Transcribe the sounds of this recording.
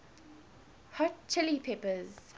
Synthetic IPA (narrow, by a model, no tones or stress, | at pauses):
hɔtt͡ʃːɪlipʰepəz